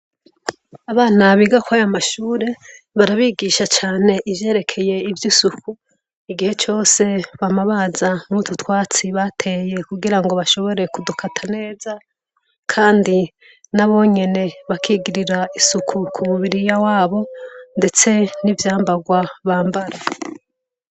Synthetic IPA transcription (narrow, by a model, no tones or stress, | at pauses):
aβaːnaβiɡakwajamaʃuːɾe̞ | βaɾaβiːɡiːʃat͡ʃaːne̞ʔivje̞ːɾe̞kʰe̞je̞ivjisuku | iɡihe̞t͡ʃo̞ːse̞βamaβazanututwaːt͡siβatʰe̞je̞kuɡiɾaŋɡo̞βaʃo̞βo̞ɾe̞kudukʰatʰane̞ːza | kʰaːndi | naβo̞ɲe̞ne̞βakʰiɡiɾiɾaisukʰukʰumuβiɾijawaːβo̞nde̞t͡se̞nivjaːmbaɡwaβaːmbaɾa